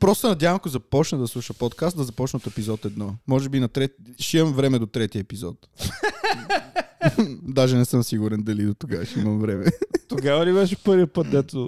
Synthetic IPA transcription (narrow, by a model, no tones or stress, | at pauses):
pɾɔssɛnɐd̪ʲjavə̃mɐkozɐpɔt͡ʃnəd̪ɐslˠuʃəpɔt̪kast̪d̪ɐzɐpɔt͡ʃnəot̪ɛpizɔt̪ɛd̪nɔmɔʒɛbinɐt̪ɾɛʃiɛmvɾɛmɛd̪ot̪ɾɛt̪iəɛpizɔ̰t̪ | d̪aʒɛnɛsɤmsiɡuɾɛnd̪ɐlid̪ot̪ʊɡavʃimɐmvɾɛmɛt̪oɡavɐlibɛʃɛpəɾvipət̪̚d̪ɛt̪ʊ